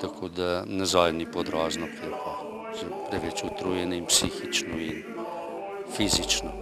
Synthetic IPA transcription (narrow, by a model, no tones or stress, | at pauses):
t̪ɐkʰod̪anɐzɔjnipod̪ɾɔznɔpɛka | zɛpɾɛʋɛt͡ʃʊt̪ɾujɛnɛimpsixit͡ʃnɔin | fizit͡ʃno